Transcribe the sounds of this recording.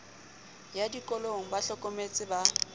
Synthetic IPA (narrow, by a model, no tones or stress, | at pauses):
jadikʼɔloŋ̩baɬɔkʼɔmet͡sʼɪba